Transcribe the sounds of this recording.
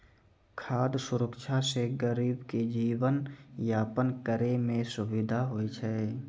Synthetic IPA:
kʰaːd̪sʊɾəkʃʰaseɡəɾiːbked͡ʒiːwənjaːpənkəɾemẽsʊʋɪd̪ʱaɦoːit͡ʃʰɛː

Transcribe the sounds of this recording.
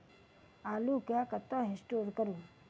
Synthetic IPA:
aːlukjakət̪ɔɦesʈoːɾkəɾuː

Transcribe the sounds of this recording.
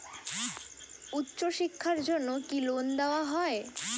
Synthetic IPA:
utːɕoʃikʰːaɾd͡ʑonːokilond̪eoaɦɔe

